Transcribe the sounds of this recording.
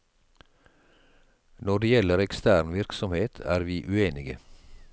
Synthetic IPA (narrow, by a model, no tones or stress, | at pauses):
nɔɖeːjɛləɾɛkst̪æːɾɳʋɪɾksɔmheːt̪ʰæ̰ːɾʋiːʔʉeːnɪɡə̰